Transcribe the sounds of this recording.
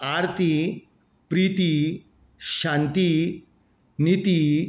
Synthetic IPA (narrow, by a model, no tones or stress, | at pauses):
aɾt̪i | pɾit̪i | ɕãnt̪i | nit̪i